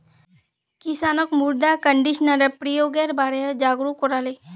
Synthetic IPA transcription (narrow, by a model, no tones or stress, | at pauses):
kisaːnəkmuɾd̪akəɳɖiʃnəɾepɾijoːɡeɾbaːɾed͡ʒaːɡɾukːoɾaːle